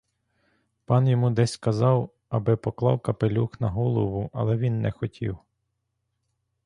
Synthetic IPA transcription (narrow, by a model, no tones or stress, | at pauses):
pɑnjɔmud̪ɛsʲskɐzɑw | ɐbɪpɔklˠɑ̰wkɐpelʲuxnɐɦɔlˠɔwʊʔɐ̰lˠɛʋʲinːɛxɔtʲʰḭw